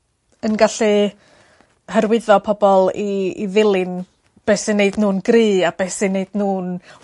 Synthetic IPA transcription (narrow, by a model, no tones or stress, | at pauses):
ənɡaɬi | həɾwɪðɔpʰɔbɔlˠḭːðɪlˠɪn | b̥ɛːsɪneɨdnuːnɡriːab̥ɛsɪneɨd̥nuːn